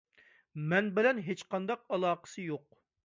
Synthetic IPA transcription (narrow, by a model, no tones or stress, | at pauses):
mɛnbɪlɛnɦet͡ʃqʰɑnd̪ɑq̚ɑlˠɑːqə̥sɨjoq̚